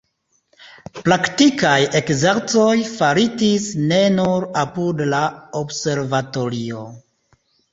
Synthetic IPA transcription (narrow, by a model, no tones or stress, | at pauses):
pɾaktikaje̞kzeɾt͡so̞jfaɾitisne̞nuɾapudlaobse̞ɾvato̞ɾio̞